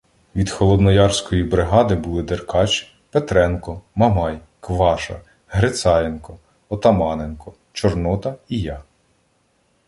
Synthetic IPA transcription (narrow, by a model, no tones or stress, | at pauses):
ʋʲid̪xɔlˠɔd̪nɔjɑrsʲkɔjibɾɪɦɑd̪ɪbulˠɪd̪erkɑt͡ʃʲ | pet̪ɾɛnkɔmɐmɑj | kʋɑʃɐ̰ | ɦɾet̪sɑjenkɔ | ɔt̪ɐmɑnenkɔ | t͡ʃɔrnɔt̪ɐijɑ